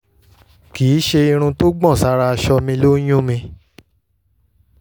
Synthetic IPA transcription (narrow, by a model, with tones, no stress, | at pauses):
kiː˨˦ʃe˧i˧ɾ̃ũ˧to˦ɡ͡bɔ̃˦˨sa˧ɾa˧ʃɔ˧mĩ˧lo˦jũ˦mĩ˧